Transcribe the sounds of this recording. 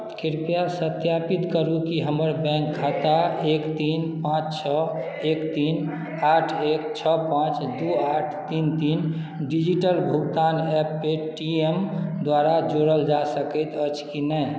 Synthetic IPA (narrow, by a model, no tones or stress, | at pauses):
kiɾpijasət̪japit̪kəɾukiɦəməɾbɛ̃ŋk̚ɡʱat̪aekt̪inpãt͡ʃt͡ʃʰə | ekt̪in | aʈʰek̚t͡ʃʰəpãt͡ʃd̪uaʈʰt̪int̪in | ɖid͡ʒiʈəlbʱuɡt̪anɛpːeʈiemd̪waɾad͡ʒoɽəld͡ʒasəkɛt̪ət͡ʃʰkinɛj